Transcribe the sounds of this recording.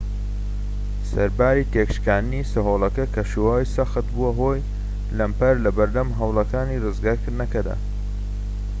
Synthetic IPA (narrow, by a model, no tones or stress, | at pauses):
sɐɾbaːɾiːt̪eːkʃkaːnnisɨɦoːlˠɐkɐkʰɐʃuwaːjsɐxɨt̪̚buɐɦoːj | lɐmpɐɾlɐbɐɾd̪ɐmɦɐwlˠɐkaːniːrɨzɡaːɾkɨɾd̪nɐkɐd̪a̰